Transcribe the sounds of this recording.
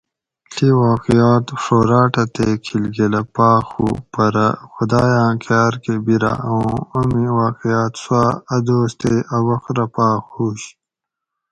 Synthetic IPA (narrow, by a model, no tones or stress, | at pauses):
ɬʰiwaːqijaːt̪foːɾaːʈɐt̪ekʰilɡelɐpaːxṵpɐɾɐ̰xud̪aːjãːkʰjaːɾkebiɾa̰ʔɐũɐmiwaːqijaːt̪swaːɐd̪oːst̪eʔɐwɐxɾɐpaːxuːɕ